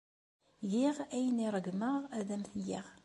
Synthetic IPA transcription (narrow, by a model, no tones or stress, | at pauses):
jiʁæjəniɾˤəɡməʁæðæmθjiʁ